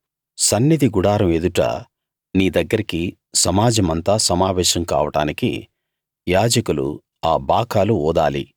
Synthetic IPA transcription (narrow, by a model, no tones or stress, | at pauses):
sɐnːid̪iɡuɽaːɾɐmed̪uʈɐ̰ | niːd̪ɐɡːɐɾiki | sɐmaːd͡ʒɐmɐnt̪aːsɐmaːʋɛːʃɐmka̰ːʋɐʈa̰ːnikḭ | jaːd͡ʒɐkulṵ | aːbʱaːkaːluɔːd̪a̰ːlḭ